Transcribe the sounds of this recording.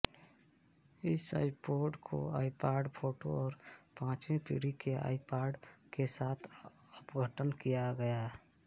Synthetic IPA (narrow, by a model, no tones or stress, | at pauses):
ɪsa̰ːɪpoːɾɖkʰo̰a̰ːipaːɾɖpʰoːʈo̰ɔːɾpãːt͡ʃẽpḭɽikea̰ːɪpaːɾɖ | kesaːt̪ʰ | ʊpɡʱəʈənkijaɡəja